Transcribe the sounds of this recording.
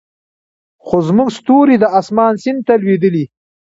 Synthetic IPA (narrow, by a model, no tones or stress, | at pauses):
χozmʊɡst̪oɾid̪əʔasmɑːnsɪn̚t̪ːalwed̪əli